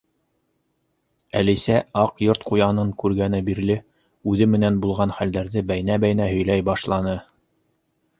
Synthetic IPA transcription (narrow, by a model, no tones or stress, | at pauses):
æ̰lisæɑqjoɾt̪qujɑnɤɴkʉɾɡænɘbiɾlɘ | ʉðɘmɘ̆nænbulˠʁɑnχæld̪æɾðɘbæjnæbæjnæɦɵ̆jlæjbɑʃlˠɑnɤ